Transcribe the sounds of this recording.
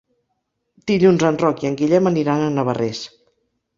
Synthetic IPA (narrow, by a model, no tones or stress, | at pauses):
d̪̥iʎunzənrɔkiəŋɡiʎɛməniɾanənəβ̞əres